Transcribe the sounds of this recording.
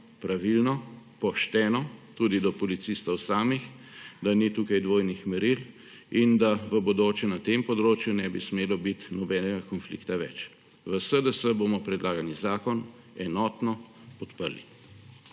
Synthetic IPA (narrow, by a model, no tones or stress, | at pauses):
pɾaʋilnɔpɔʃt̪ɛːnɔt̪ud̪id̪ɔpɔlit̪sist̪ɔwsaːmix | d̪anit̪uːkajd̪ʋoːjnixmɛɾil | ind̪aʋəbod̪oːt͡ʃjɛnat̪empɔd̪ɾoːt͡ʃjunɛbismeːlɔbit̪nɔbɛːnɛɡakɔnflḭkt̪aʋɛ̰t͡ʃ | ʋəsəd̪əsəboːmɔpɾɛd̪laːɡanizaːkɔn | ɛnɔt̪nɔpɔt̪pəɾlḭ